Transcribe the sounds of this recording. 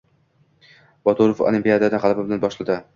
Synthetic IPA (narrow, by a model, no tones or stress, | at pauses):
b̥ɒt̪ʰuɾofo̰lˠimpijad̪ad̪aʁɑlˠbɪbɪlanbɒʃlad̪ɪ